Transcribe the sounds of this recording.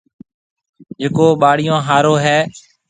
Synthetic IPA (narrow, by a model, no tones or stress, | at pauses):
d͡ʒeːkoːɓaːɽɪjõːɦaːɾoːɦɛː